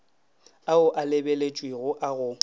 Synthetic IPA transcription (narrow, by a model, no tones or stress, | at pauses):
aʊʔalɪbelet͡ʃʼwiɣʊʔaɣʊ